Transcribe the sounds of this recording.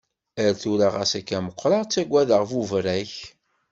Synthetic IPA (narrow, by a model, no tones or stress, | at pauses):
əɾθuɾaʁæ̰sækːæməqʷːɾɑʁt͡sːæɡʷːæðəʁvuvɾæç